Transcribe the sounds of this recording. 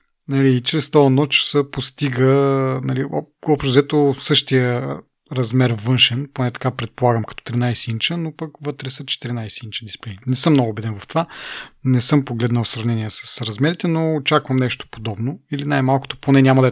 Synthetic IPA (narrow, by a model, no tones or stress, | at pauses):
nɐlit͡ʃɾɛst̪ɔɐnɔt͡ʃsəpost̪iɡənɐliɔ̰ɔpʃt̪ozɛt̪osɤʃt̪ijə | ɾɐzmɛɾvɤnʃɛnponɛt̪ɐ̥kapɾɛt̪̚polˠaɡəmkɐt̪ɔ̥t̪ɾinajsɛint͡ʃənopɐkvɤt̪ɾɛsɐt͡ʃɛ̥t̪iɾinajsint͡ʃəd̪isplɛjnɛsɤmnɔɡʊːbɛd̪ɛnvɐft̪ovanɛsɤmpoɡlɛd̪nəwˠsɾɐvnɛniɛsɐ̥sɾɐzmɛɾit̪ɛnoːt͡ʃakvəmnɛʃt̪o̥pod̪ɔbnoilinajmalˠkʊ̥t̪oponɛnʲamɐd̪ɐ